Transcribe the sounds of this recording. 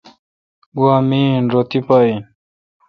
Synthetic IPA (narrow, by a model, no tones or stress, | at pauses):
ɡwaːmiːnɾot̪ipain